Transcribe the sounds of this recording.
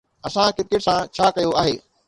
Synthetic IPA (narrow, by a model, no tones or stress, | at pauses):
ɐsãkɪkɪʈsãt͡ɕʰaːkɐjoaːɦeː